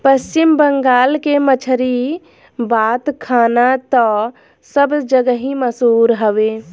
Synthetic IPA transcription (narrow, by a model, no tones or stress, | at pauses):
pəst͡ʃimbəŋɡaːlkemət͡ʃʰəɾi | bat̪kʰaːnat̪ɔ | səbd͡ʒəɡəɦĩməsuːɾɦəʋe